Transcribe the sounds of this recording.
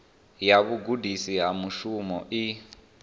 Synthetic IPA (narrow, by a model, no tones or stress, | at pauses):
jaβuɡudʱisiɦamuʃumɔʔi